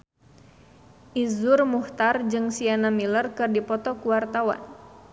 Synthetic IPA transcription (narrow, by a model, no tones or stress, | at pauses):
ʔizʊrmuht̪ard͡ʒɨŋsianamilərkɨrdipɔt̪ɔkuwart̪awa̰n